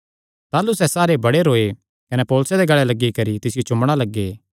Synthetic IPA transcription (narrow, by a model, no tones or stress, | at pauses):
t̪aːlusɛsaːɾebɐɽeɾoːe | kɐnɛpoːlʊsed̪eɡɐɭɛlɐɡːikɐɾit̪ɪsɪjot͡ʃʊ̃mɽ̃alɐɡːeː